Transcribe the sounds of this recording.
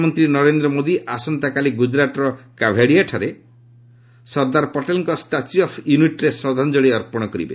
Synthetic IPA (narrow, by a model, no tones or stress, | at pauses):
mɔnt̪ɾinɔɾend̪ɾɔmod̪iʔasɔnt̪akaliɡud͡ʒɾaʈɔɾɔkabʱaɽiaʈʰaɾe | sɔɾd̪aɾpɔʈelŋkɔsʈat͡ʃiɔpʰjuniʈɾesɔd̪ʱand͡ʒɔɭiɔɾpɔɽ̃ɔkɔɾḭbḛ